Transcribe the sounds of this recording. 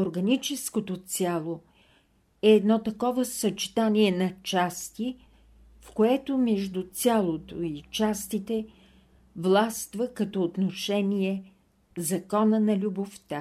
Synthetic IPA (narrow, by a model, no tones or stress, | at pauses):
oɾɡɐnit͡ʃɛskot̪ot̪sʲjalˠo | ɛːd̪nɔt̪ɐkɔvəsɐt͡ʃi̥t̪aniɛnɐt͡ʃast̪i | fkoɛt̪omɛʒd̪ut̪sʲalˠot̪oit͡ʃast̪it̪ɛ | vlˠast̪vəkɐt̪ɔːt̪noʃɛnʲiɛ | zɐkɔnənɐlʲuboft̪a